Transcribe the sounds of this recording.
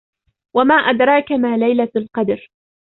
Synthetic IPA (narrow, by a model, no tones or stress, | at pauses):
wamaːʔad̪ɾˤɑːkamaːlajlalqɑd̪ɾ